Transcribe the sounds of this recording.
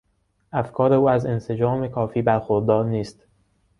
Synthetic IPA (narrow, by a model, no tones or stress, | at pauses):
ʔæfkʰɒːɾe̞uːæze̞nse̞d͡ʒɒːme̞kʰɒːfiːbæɾxoɾd̪ɒːɾniːst̪